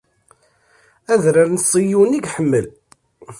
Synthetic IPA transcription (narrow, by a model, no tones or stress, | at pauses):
æðɾəɾnsˤijuniɡħəmːəl